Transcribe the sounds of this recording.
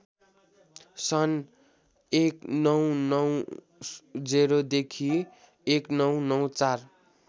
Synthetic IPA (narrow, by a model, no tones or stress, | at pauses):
sʌn | eknʌwnʌw | d͡zeɾod̪ekʰi | eknʌwnʌwt͡sar